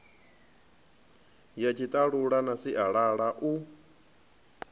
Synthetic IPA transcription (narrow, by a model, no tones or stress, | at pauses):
jat͡ʃʰit̪ʼaɺuɺanasiʔaɺaɺaʔu